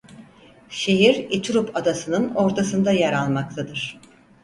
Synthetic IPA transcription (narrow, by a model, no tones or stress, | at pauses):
ʃe̞ɦiɾit͡ʃʰɾupʰad̪asɯnɯno̞ɾt̪ʰasɯnd̪ajaɾalˠmak̚t̪ʰad̪ɯɾ̥